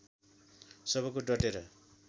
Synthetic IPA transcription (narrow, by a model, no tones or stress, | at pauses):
sʌbʌkoɖʌʈeɾʌ